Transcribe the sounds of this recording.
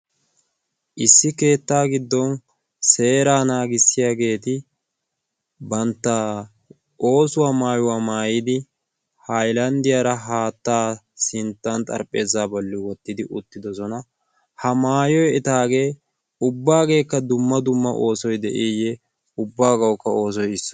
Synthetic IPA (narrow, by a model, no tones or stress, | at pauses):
ʔɪsːɪke̞ːt̪ːaːɡɪd̪ːɔn | se̞ːɾaːnaːɡɪsːɪjaːɡe̞ːt̪ɪ | bɐnt̪ːa | ʔo̞ːsʊwaːmaːjʊwaːmaːjɪd̪ɪ | hɐjlɐnd̪ɪjaːɾɐɦaːt̪ːaː | sɪnt̪ːɐnt̪ʼɐ̰ɾpʼːe̞ːzaːbɔlːɪwɔt̪ːɪd̪ɪʔʊt̪ːɪd̪ɔsɔnɐ | hɐmaːjɔjɛt̪aːɡe̞ː | ʊbːaːɡe̞ːkːɐd̪ʊmːɐd̪ʊmːɐʔo̞ːsɔjd̪ɛ̰ʔijɛ | ʊbːaːɡɐwkːɐo̞ːs̬ɔjɪsːɔ̥